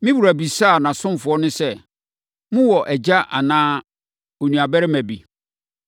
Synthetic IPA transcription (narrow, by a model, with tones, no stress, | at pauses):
mɪ̃˦wu˨ɾæ˨bi˨sa˦˨nã˨sʊ̃˦m˦˨fʊ˨ɔ˦nʊ̃˦sɛ˦ | mʊ̃˦wɔ˨ʔɛ˨d͡ʑa˦ʔa̰˨nãː˦ | o˨nũ˨a˨bæ˦ɾɪ˦mæ̃˨bi˨